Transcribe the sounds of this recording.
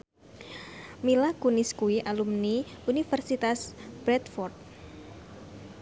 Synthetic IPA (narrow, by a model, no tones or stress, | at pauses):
milakunɪskuwiʔalumniunifɛrsit̪asb̥ɾɛt̪fɔrt̪̚